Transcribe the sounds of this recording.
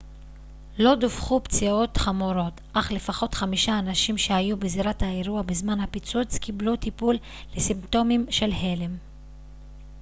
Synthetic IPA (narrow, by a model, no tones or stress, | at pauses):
lo̞dufχupt͡sio̞tχamuɾo̞tʔaχle̞faχo̞tχamiʃaːnaʃimʃe̞hajubeziɾathaeɾuabezmanhapit͡sut͡skiblutipulː | esimto̞mimʃe̞lɦe̞le̞m